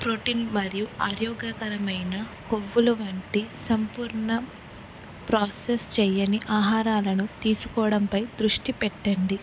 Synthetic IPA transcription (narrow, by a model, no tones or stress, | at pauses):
pɾoːʈiːnmɐɾijuaːɾjɔːɡakɐɾɐmɐjnɐkoʋːuluʋɐɳʈisɐmpuːɾɳɐ | pɾaːsest͡ʃɛjɐniʔaːɦaːɾaːlɐnut̪iːsukɔːɐɽɐmpɐjd̪ɾuʂʈipɛʈːɐɳɖi